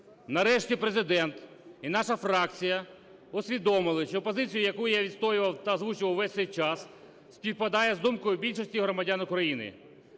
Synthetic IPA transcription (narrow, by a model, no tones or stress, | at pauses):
nɐɾɛʃtʲipɾezɪd̪ɛnt̪ | inɑʃɐfɾɑkt͡sʲijɐ | ɔsʲʋʲid̪ɔmɪlˠɪʃt͡ʃɔpɔzɪt͡sʲijʊjɐkujʊjaʋʲid̪st̪ɔjɪʋɐwt̪ɐzʋut͡ʃɪʋɐwʋɛsʲt̪ɛjt͡ʃɑs | sʲpʲiwpɐd̪ɑjɛzd̪umkɔjʊbʲilʲʃɔsʲtʲiɦɾɔmɐdʲanʊkɾɐjinɪ̰